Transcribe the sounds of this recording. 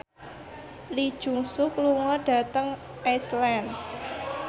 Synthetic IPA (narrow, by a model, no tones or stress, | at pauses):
lid̥ʒ̥ṳŋsʊkluŋɔɖ̥a̤t̪əŋ | ʔɛslɛn